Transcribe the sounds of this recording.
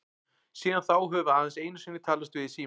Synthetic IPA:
siːðanθawɦɛvʏaːðanseːjnʏsvɪnːɪt̪ʰaːlvast̪vɪðɪsiː

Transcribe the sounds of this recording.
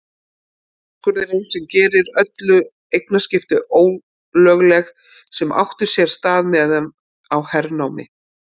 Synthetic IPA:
kʰœɾðɪɾejnsɛmcɛːɾɪɾœt̪lʏ | ejk̚nascɪft̪ʏʔoːw | lœːɣlɛx | sɛma̰wht̪ʏ̥sjɛɾ̥st̪aːðmɛðɛm | awhɛɾnawmɪ̰

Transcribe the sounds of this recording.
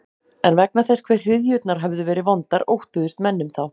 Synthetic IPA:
ɛnvɛk̚naθɛskʰv̥ɛjr̥r̥ɪðjʏt̪naɾ̥ɦɛvðʏvɛːɾɪvɔnt̪aɾowht̪ʏðʏst̪mɛnːʏmθaw

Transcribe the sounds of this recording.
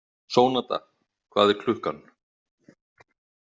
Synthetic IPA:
soːwnat̪a̰ | kʰv̥aːðɛɾkʰlʏhkan

